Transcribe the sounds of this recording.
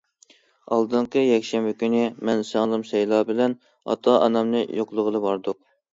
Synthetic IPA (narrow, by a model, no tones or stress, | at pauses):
ɑlˠd̪ɨɴqəjɛkʲʃɛmbɪkʲynɪmɛnsɑŋlˠɨmsɛjlˠɑːbɪlɛn | ɑ̰t̪ʰɑʔɑ̰nɑmnɨjoqlˠəʁəlˠɨbɑɾd̪ʊq̚